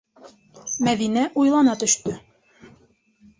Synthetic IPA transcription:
mæðinæʔujlˠɑnɑt̪ɵ̆ʃt̪ɵ

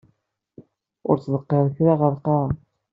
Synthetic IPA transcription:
ʊ̰ɾt͡sːðˤəqːəɾˤçɾaʁəɾqɑɾ

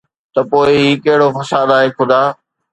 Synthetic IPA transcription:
t̪ɐpoːɪɦiːkɐɦɪɽofɐsaːd̪aːɦekʰʊd̪aː

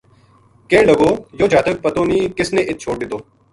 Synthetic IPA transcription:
kẽːɳɖəɡoːjoːd͡ʒʱaːt̪ək̚pət̪oːniːkɪsnẽːʔɪt̪̚t͡ʃʰoːɪt̪oː

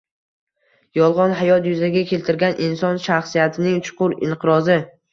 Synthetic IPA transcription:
jɒlˠʁɒnɦajɒt̪jʊzaɡʲakʲʰe̞lt̪ʰɪɾɡʲanʔɪnsɒnʃaχsijat̪ʰɪnɪŋt͡ʃʰʊ̥qʰʊɾɪ̰ɴqʰɨɾɒzɪ

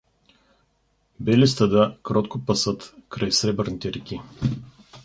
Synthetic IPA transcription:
bɛlist̪ɐd̪akɾɔt̪kopɐsət̪kɾajsɾɛbəɾnit̪ɛɾɛkʲi

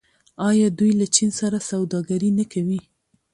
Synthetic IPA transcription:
ɑjɑd̪ujlat͡ʃinsaɾasawd̪ɑɡaɾinakʰawi

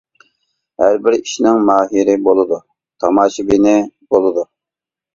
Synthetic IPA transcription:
hæɾbɪɾiʃnɪŋmɑːɦiɾɪbolˠɨd̪u | t̪ʰɑmɑːʃibinɪb̥olˠɨd̪u

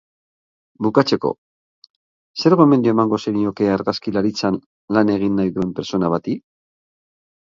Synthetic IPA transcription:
bukat͡se̞ko̞̰ | se̞ɾɣo̞eme̞nd̪ioemaŋɡo̞seɾiɲo̞ke̞aɾɣaskilaɾit͡san | lane̞ɣ̞inːajðue̞mpe̞ɾt͡so̞naβ̞at̪i

